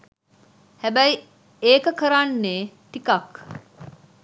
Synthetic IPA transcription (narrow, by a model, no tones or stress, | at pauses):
hæbæj | eːkəkəɾaːnːeːt̪ikɐk